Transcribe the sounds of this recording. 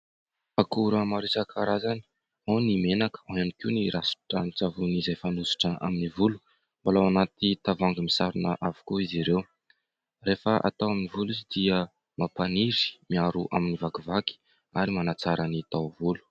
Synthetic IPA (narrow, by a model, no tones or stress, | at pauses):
akuɾəmaɾisakaɾazani̥ | awnimenakə̥aanikiwniɾasi̥ʈ͡ʂanit͡savunizajfanusi̥ʈ͡ʂəʔa̰minivulu̥ | mbalawanat̪it̪avaŋɡimisaɾunəʔavu̥koiziɾew | refəʔa̰t̪awaminivulizid̪iə | mapaniɾi̥miaɾuʔa̰minivakivaki̥ | aɾimanat͡saɾanit̪awvulu̥